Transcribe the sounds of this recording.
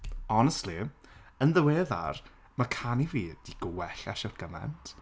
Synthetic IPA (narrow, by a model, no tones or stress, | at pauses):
ɔnɛstliənðəweːða̰r | makʰaniviːd̥iɡ̥ʊwɛɬaʃɔrɡ̥əmɛ̰ntʰ